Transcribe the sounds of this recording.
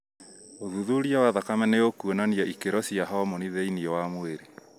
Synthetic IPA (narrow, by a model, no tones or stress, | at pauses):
oðuðuɾiɔwaðakamɛneokuonaniɔʔikeɾɔsiaɦɔmoniðeiniɔwamoeɾe